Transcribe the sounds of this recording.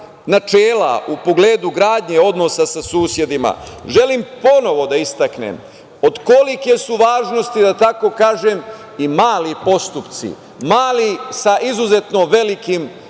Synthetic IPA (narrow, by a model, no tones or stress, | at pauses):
nat͡ʃeːla̰ʔupo̞ɡleːd̪uɡɾaːd̪ɲe̞o̞d̪no̞sasasuːsje̞d̪ima̰ʒe̞limpo̞no̞ʋo̞d̪aist̪aknḛm | od̪ko̞like̞suʋaːʒno̞st̪id̪at̪ako̞kaːʒem | imaːlipo̞st̪upt̪sḭ | maːlisaʔizuze̞t̪no̞ʋe̞likim